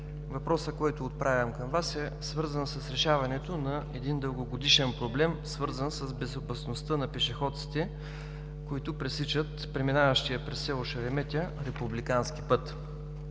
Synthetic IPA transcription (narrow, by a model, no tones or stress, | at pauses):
vɐpɾɔsəkɔjt̪oːt̪̚pɾʔavʲɐmkəmvasɛ | svɤɾzənsəsɾɛʃavɐnɛt̪onɐɛd̪ind̪əlˠɡoɡod̪iʃɛnpɾoblɛmsvɤɾzənsəzbɛzopɐsnost̪ənɐpɛʃɛxɔt̪si̥t̪ɛ | koit̪ʊpɾɛsit͡ʃət̪pɾɛminavəʃt̪ijəpɾɛsːɛoʃɐɾɛmɛt̪ʲəɾɛpublikansk̟ipɤt̪